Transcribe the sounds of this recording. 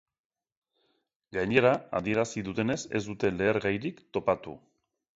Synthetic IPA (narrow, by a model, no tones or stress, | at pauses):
ɡaɲe̞ɾaa̰ðie̞ɾasiðut̪e̞ne̞se̞̰zd̪ut̪e̞le̞ːɾɣajɾikt̪o̞pat̪ṵ